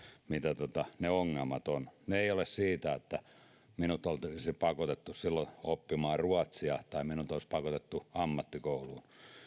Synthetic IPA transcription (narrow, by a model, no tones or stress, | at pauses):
mit̪æt̪ot̪ɑneoŋːelmɑt̪onneeˑiolessiːt̪æet̪ːæ | minut̪olt̪iisipɑkot̪et̪ːussilːoopːimɑːruɑt̪siɑt̪ɑiminut̪oispɑkot̪et̪ːuɑmːɑt̪ːikouluːn